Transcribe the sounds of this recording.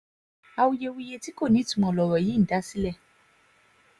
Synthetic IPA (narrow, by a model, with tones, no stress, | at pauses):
a˧wu˧je˧wi˧je˧ti˦ko˦˨nĩ˨˦tu˦˨mɔ̃˨lɔ˨ɾɔ˨ji˨˦n̩˨da˨˦si˦lɛ˦˨